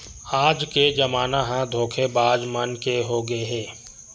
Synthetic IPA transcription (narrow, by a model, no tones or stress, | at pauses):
aːd͡ʒked͡ʒɐmaːnaɦãd̪ʱoːkʰebaːd͡ʒmənkeɦoɡɐeɦɛː